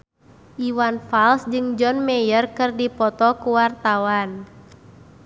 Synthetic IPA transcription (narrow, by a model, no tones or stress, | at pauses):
ʔiwanfalsd͡ʒɨŋd͡ʒɔnmɛjərkɨrdipɔt̪ɔkuwart̪awan